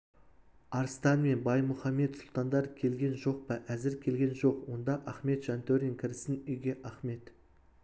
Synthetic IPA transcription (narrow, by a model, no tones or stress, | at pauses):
ɑɾst̪ɑnme̞nbɑjmʊχɑme̞t̪sʊlˠt̪ɑnd̪ɑɾkʲʰe̞lɡʲe̞nʒo̞q̚pɑʔæzɪɾkʲʰe̞lɡʲe̞nʒo̞qwo̞nd̪ɑʔɑχme̞t̪ʒ̥ɑnt̪ʰɵɾʲɪŋkʲʰɪɾɪsɪnʏjɡʲe̞ʔɑχme̞t̪